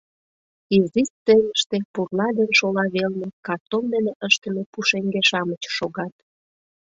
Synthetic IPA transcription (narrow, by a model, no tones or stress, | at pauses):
izist͡seməʃt̪epurlɑd̪enʃolɑβelnekɑt̪omd̪eneʔəʃt̪ə̆mepuʃeŋɡeʃɑmət͡ɕʃoɣɑt̪